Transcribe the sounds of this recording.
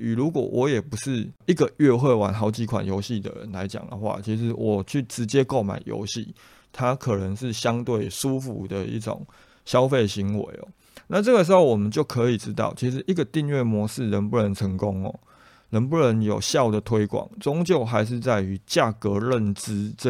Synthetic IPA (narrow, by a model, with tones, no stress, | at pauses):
y˨˩ɻu˧˥kwɔ̰˨˩wʔɔ˧˥jɛ˨˩pu˧˦ʂɻ̩˥˩i˥˩ɡə˨ɥɛ˥˧xwe˥˩ɪwa˨˥nxɦɑ˧˥ʊt͡ɕi˧˥kʰwa̰˨˩njo˧˥ʊɕi˥˩d̪ə̰˩ɻə̰˧˦nla˧˦ɪt͡ɕja̰˨˩ŋd̪ə̰˦xwa̰˥˨t͡ɕʰi˧˥ʂ̬ɻ̩˧˦wʔɔ˨˩t͡ɕʰy˥˩ʈ͡ʂɻ̩˧˦t͡ɕjɛ˦˥ko˥˩ʊma̰˨˩ɪjo̰˧˥ʊɕḭ˥˩ | t̪ʰa˦kʰɤ˨˩nə˧˦ŋʂɻ̩˥˩ɕja˦ŋt̪we˥˩ɪʂu˦fṵ˧˩d̪ə˨ḭ˥˩ʈ͡ʂo̰˨˩ŋ | ɕjɑ˥˦ʊfe˥˩ɕi˧˥ŋwḛ˧˦ɪɔ̰˨˦ | na˥˧t͡sɤ˥˩ɡə˩ʂ̬̩˧˥xo˥˩ʊwɔ˨˩mə˨˦nt͡ɕjo˥˨ʊkʰɤ˧˥i˨˩ʈ͡ʂɻ̩˦t̪ɑ̰˥˩ʊt͡ɕʰi˧˥ʂ̬ɻ̩˧˦ʔi˥˩ɡə˨˩t̪i˥˧ŋɥɛ˥˩mwɔ˧˥ʂɻ̩˥˩ɻə˧˦˥npu˥˩ɻə˧˦nʈ͡ʂʰə˧˥ŋko˦ŋɔ̰˨ | ɻə˧˦npu˥˩ɻə˧˦njo˨˩ʊɕjɑ˥˩ʊd̪ə˩t̪ʰwe˥ɪkwɑ̰˨˩ŋt͡so˦ŋt͡ɕjo˥˩ʊxa˧˥ɪʂ̬ɻ̩˥˧t͡sa˥˩ɪy˧˥t͡ɕja˥˨˩kɤ˧˦ɻə˥˨nt͡sɻ̩˥˧